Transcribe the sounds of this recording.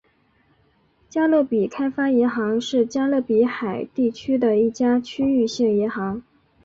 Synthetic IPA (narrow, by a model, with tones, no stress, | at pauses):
t͡ɕja˥lo˥˩pi˨˩kʰa˥ɪfa˥jɛ˧˥nxɑ˧˥ŋʂɻ̩˥˩t͡ɕja˥lɤ˥˩pi˧˥xa˨˩ɪt̪i˥˩t͡ɕʰy˥d̪ə˨i˥˩t͡ɕja˥t͡ɕʰy˥y˥˧ɕjɛ˥˩ŋjɛ˧˥nxɑ˧˥ŋ